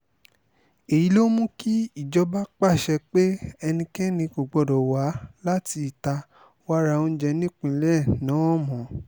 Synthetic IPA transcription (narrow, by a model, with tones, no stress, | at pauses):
e˨ji˨˦lo˦mũ˦ki˦i˦˨d͡ʒɔ˧˦ba˦k͡pa˦˨ʃɛ˧k͡pe˦ɛ˧nĩ˧kɛ˦nĩ˧ko˨ɡ͡bɔ˨dɔ˨wa˨˦la˦ti˧i˨ta˧ | wa˦ɾa˧˨õ˦d͡ʒɛ˧nĩ˦k͡pĩ˧˨˦lɛ˦˨nã˨˦ɔ˦˨mɔ̃˨